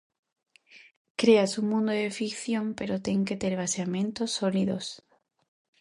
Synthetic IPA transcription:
kɾeasumũnd̪oðefikθjõmpeɾot̪eŋket̪eɾβ̞aseamẽnt̪osːoliðos

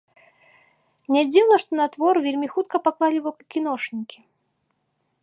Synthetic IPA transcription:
mnʲɛd͡zʲiwlˠɐʂt̪ɔnat̪vɔrvʲelʲmʲixut̪̚kɐpaklˠalʲivɔkɐkʲːinɔʂnʲikʲi̥

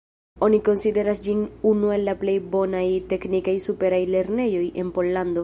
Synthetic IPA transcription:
o̞niko̞nside̞ɾasd͡ʒinunue̞lːaple̞jbo̞najte̞knikajsupe̞ɾajle̞ɾne̞jo̞je̞npo̞lːando̞

